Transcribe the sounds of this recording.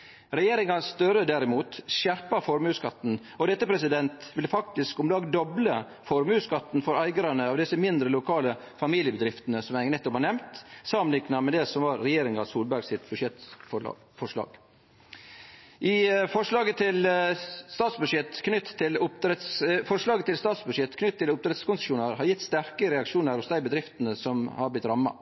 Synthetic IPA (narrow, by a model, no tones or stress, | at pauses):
ɾɛjeːɾɪŋɑsst̪œɾəd̪æɾɪmuːt̪ʃæɾpɑɾfɔɾmʉːskɑt̪ːn̩ | ɔd̪ɛt̪ːəpʰɾɛsɪd̪ɛnt̪ʋɪlfɑk̚t̪ɪskʊmlɑːɡd̪ɔblə | fɔɾmʉːskɑt̪ːnfɔɾæɪɡəɾɑnəɑːʋd̪ɪsəmɪnd̪ɾəlʊkʰɑːlə | fɑmiːlɪəbəd̪ɾɪft̪ənəsɔmæɪnɛt̪ːɔphɑɾnɛmt̪sɑmənɪknɑmɛd̪ɛsɔmʋɑɾːɛjeːɾɪŋɑsuːlbæɾɡsɪt̪bʉʂjɛt̪fɔɑ̰ː | fɔʂlɑ̰ːɡ̥ | ʔɪfɔʂlɑːɡət̪ʰɪlst̪ɑːt̪sbʉd̪ʂjɛt̪knʏt̪ʰːɪlʊpd̪ɾɛt̪sfɔʂlɑːɡət̪ɪlst̪ɑːt̪sbʉd̪ʂjɛt̪kʰnʏt̪ʰːɪlʊp̚d̪ɾɛt̪skʊnsɪʂuːnəɾhɑɾjɪt̪ːst̪æɾkəɾɛɑkʂuːnəɾʊsd̪æɪbəd̪ɾɪft̪ənəsɔmhɑblɪt̪ːɾɑmːɑ̰